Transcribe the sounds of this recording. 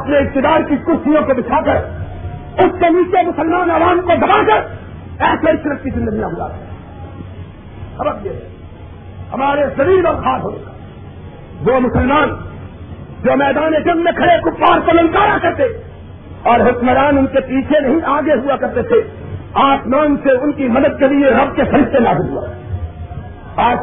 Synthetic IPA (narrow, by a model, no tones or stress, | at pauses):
ɐpneɪk̚t̪ɪd̪aːɾkikʊɾsijõkobɪt͡ʃʰaːkəɾ | ʊskemiːt͡ʃemʊsəlmaːnɐʋaːmkod̪ɐbaːkəɾ | ɛːseɾɪt͡ʃʰnət̪̚kizɪ̃nd̪əɡinaɦʊa̰kː | sɐbəɾjeɦɛ̰ː | hɐ̰maːɾezɐbiːlɔːɾxaːɾɦo̰ːnekaː | ʋomʊsəlmaːn | d͡ʒoːmɛːd̪aːned͡ʒɐnmẽkʰɐɽekʊpːaːɾkolɐ̃ŋkaːɾakɐɾt̪e | ɔːɾɦʊkməɾaːnʊnkepiːt͡ʃʰenɐɦĩʔaːɡeɦʊakɐɾt̪et̪ʰe | aːsmaːnseʊnkimɐd̪əd̪̚kelieɾɐb̚kepɐɾɪst̪enaːzɪlɦua̰ɦ | aː